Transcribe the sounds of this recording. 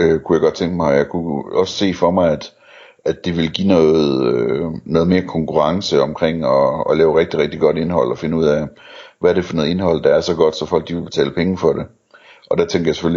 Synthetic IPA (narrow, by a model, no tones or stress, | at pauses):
økʰujaɪɡɒ̽d̥̚t͡sʰeŋɡ̥əmɑ̈ɪjɑ̈ɪkʰuɒ̽sə̥se̝̰ːfɒ̽mɑ̈ɪæd̥ | æd̥ːeʋe̝lɡ̥ḭːnɔːð̩ˠønɔːð̞̩ˠme̝ːɐkʰɒ̽ŋkʰuʁɑ̈ŋsəɒ̽mkʰʁeŋ̰ɒːlɛːʊʁeɡ̥̚d̥iʁɛɡ̥̚d̥iɡ̥ɒ̽d̥e̝nhɒ̽l̰ɒ̽fe̝nəuð̞̰ˠæʋæɐɾ̥e̝fɒnɔːðˠe̝nɦɒ̽l̰d̥ɑ̈æɐsɒ̽ɡ̥ɒ̽d̥sɒ̽fɒ̽l̰ɡ̥̚d̥iʋeb̥e̝t͡sʰɛ̰ːləpʰeŋəfɒ̽d̥e̝ | ʔɒ̽d̥æt͡sʰeŋɡ̥ɐjaɪse̥føli